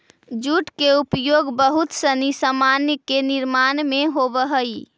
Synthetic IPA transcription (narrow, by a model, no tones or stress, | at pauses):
d͡ʒuʈkeupjoːɡbəɦut̪sənisamanjəkenɪɾmanmẽɦobəɦəi